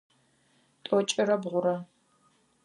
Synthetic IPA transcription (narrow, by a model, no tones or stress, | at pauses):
tʼɔt͡ʃʼɪɾɐbʁʷʊɾɐ